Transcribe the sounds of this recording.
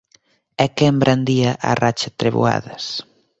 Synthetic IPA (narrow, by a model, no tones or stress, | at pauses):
ɛkembɾʔand̪iaʔa̰rat͡ʃat̪ɾeβṵa̰ðɐs